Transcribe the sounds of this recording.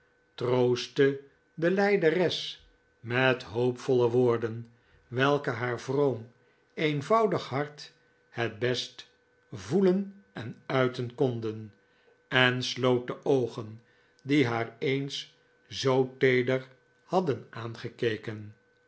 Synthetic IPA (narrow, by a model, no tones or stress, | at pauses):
trowstə | dəlɛjdərɛs | mɛtɦoʊpfɔləʋʊːɹdən | ʋɛlˠkəɦaːɹvrowm | ejnvɑwdəχɦɑɹt | hɛt̚bɛst | vulənɛnœɥtənkɔndən | ɛnslowt̚dəʔowχən | diɦaːɹejns | zowtejdəɹ | hɑdənʔaːnχəkejkən